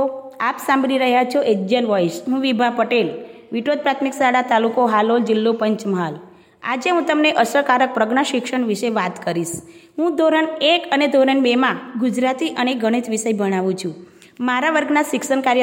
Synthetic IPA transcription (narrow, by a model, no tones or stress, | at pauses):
oapsãmbɾiɾəɦjat͡ʃʰoʔed͡ʒənʋɔiʃɦũʋibʱapəʈel | ʋiʈod̪̚pɾat̪ʰmiksaɽat̪alukoɦalold͡ʒilːopəɲt͡ʃməɦal | a̰d͡ʒeɦũt̪əmneʔəsəkaɾək̚pɾəɡɳaʃikʃəɳʋiʃeʋat̪kəɾiʃɦũd̪ʱoɾənekəned̪ʱoɾəɳbemãɡud͡ʒɾat̪iʔəneɡʱəɽ̃id͡ʒʋiʃəjbəɽ̃aʋũt͡ʃʰũ | maɾaʋəɾɡnasikʃənkaɾjə